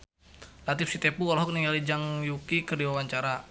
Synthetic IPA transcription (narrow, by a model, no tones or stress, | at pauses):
lat̪ifsit̪ɛpuɔlɔɦɔk̚niŋɡalid͡ʒaŋjukikərdiwawaɲt͡ʃaɾa